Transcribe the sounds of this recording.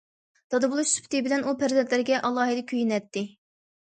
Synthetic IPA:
d̪̥ɑd̪ɨbulˠuʃspʰt̪ɪbɪlɛnupʰæɾzɛnt̪lɪɾɡʲɛʔɑlˠːɑːɦid̪ɨkʲʰyjinɛt̪ːɪ

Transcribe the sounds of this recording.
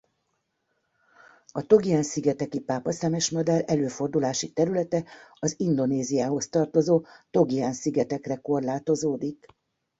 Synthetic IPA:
ɒt̪o̞ɡiansiɡɛt̪ɛkipaːpɒsɛmɛʃmɒd̪alɛløːfo̞rd̪ulaːʃit̪ɛɾylɛt̪ɛɒzind̪o̞neːzijaːɦo̞st̪ɒrt̪o̞zoːt̪o̞ɡiansiɡɛt̪ɛkrɛko̞rlaːt̪o̞zoːd̪ik

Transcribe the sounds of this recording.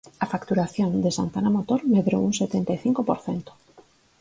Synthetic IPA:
afakt̪uɾaθjõnd̪esa̰nt̪anamot̪oɾmeðɾowuŋset̪ent̪ajθiŋkopoɾθent̪o̥

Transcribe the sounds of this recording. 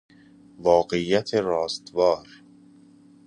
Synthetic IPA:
vɒːɢejːæt̪ʰeɾɒːst̪vɒːɾ

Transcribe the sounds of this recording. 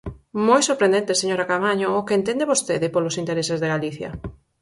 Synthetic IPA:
mojsoɾpɾend̪ẽnt̪eseɲoɾakamaɲoʊːkeent̪end̪eβost̪eðɪpolʊsint̪eɾesɪzðeɣaliθjɐ̰

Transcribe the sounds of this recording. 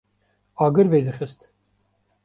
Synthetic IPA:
ɑːɡɨɾveːd̪ɨxɨst̪

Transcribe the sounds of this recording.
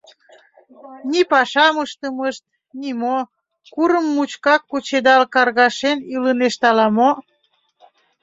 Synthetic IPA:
nipɑʃɑməʃt̪əməʃt̪̚ | nʲimo | kuɾəmːut͡ɕkɑkːut͡ɕed̪ɑlkɑrɣɑʃeniləneʃt̪ɑlɑmo

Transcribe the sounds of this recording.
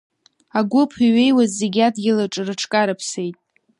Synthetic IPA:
aɡʷʊpʰiɥejwazːeɡʲadɡʲɪlaʈ͡ʂʼɨrɨʈ͡ʂʰkʼaɾɨpʰse̞jtʼ

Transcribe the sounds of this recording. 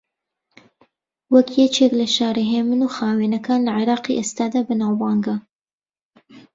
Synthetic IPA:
wɐkjet͡ʃeːklɐʃɑːɾeɦeːmɨnuxɑːwenɐkɑːnlɐʕɪɾɑːqiʔest̪aːd̪aːbɨnawbɑːŋɡa

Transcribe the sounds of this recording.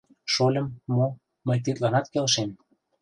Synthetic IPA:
ʃolʲə̆mːo | məjt̪̬it̪ɣɑnɑt̪kelʃem

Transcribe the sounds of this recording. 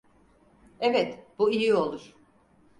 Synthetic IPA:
ɛvɛt̪b̥uijio̞lˠuɾ̥

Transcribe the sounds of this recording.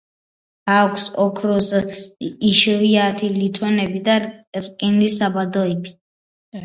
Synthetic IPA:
akʰsɔkʰɾɔs | iʃɛviat̪ʰilit̪ʰɔnɛbid̪aɾkʼinlisabad̪ɔɛbi̥

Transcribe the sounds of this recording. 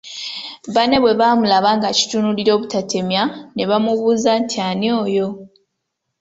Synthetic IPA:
βane̞βwe̞βaːmulaβaːŋɡaci̥tunuliɾo̞ːβutate̞mjane̞βamuβuːzantʰjano̞ːjo̞

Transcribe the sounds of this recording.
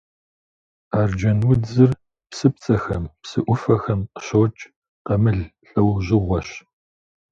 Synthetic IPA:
aːrd͡ʒɐnwʊd͡zɨr | psɨp̚t͡sʼɐxɐmpsɨʔʷʊfɐxɐmqəɕot͡ʃʼ | qɐmɨɮɬʼɐwʑɪʁʷɔɕ

